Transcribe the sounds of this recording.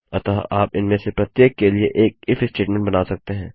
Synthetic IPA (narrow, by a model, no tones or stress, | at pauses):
ɐt̪aːa̰ːpɪnmẽsepɾɐt̪jeːkːelieʔeːk̚ɪfɪsʈeːʈmɛ̃ɳʈ̚bɐnaːsɐk̚t̪eɦɛ̃ː